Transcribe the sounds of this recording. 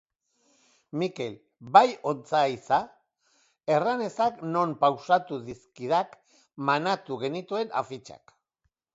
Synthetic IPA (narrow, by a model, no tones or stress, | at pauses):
mike̞l | bajo̞nt͡saisa | e̞rane̞sakno̞mpawsat̪uðiskiðak | manat̪uɣ̞e̞nit̪ue̞na̰fit͡ʃa̰k